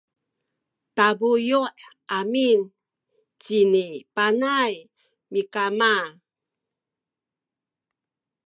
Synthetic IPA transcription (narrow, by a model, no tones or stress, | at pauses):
tabujuʔʔamin | t͡ɕinipanaj | mikama